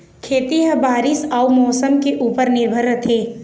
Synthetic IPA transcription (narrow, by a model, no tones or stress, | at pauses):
kʰeːt̪iɦəbaːɾɪsaumɔːsəmkeʔuːpəɾnɪɾbʱəɾət̪ʰeː